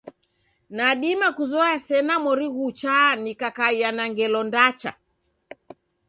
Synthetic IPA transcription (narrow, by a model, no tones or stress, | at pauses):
naɗimakuzɔasɛnamɔɾiɣut͡ʃaːnikakaianaŋɡɛlɔndat͡ʃa̰